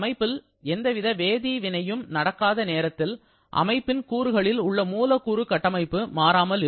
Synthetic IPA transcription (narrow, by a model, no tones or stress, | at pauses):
mɐɪpːɪl | ɛnd̪ɐʋɪðɐʋeːðiːʋɪnɐjɯmnɐɽɐkːaːðɐneːɾɐt̪ːɪl | ʔɐ̰mɐɪpːɪnkuːɾɯɣɐɭɪlʊɭːɐmuːlɐkːuːɾɯkɐʈːɐmɐɪpːɯmaːɾaːmɐlɪ